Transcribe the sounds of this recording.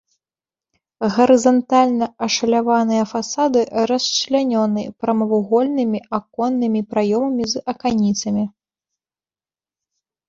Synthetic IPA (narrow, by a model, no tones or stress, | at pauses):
ɣɐɾɨzɐnt̪alʲnɐɐʂɐlʲavanɨjɐfasad̪ɨɾɐst͡ʃlʲanʲɔnɨpɾɐmɐvuɣɔlʲnɨmʲiakɔnːɨmʲipɾajɔmɐmʲizɐkanʲit̪sɐmʲi